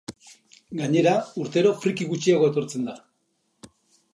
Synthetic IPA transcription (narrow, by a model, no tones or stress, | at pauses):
ɡaɲe̞ɾauɾt̪e̞ɾo̞fɾikiɣut͡ʃiaɣo̞et̪o̞ɾt͡se̞nd̪a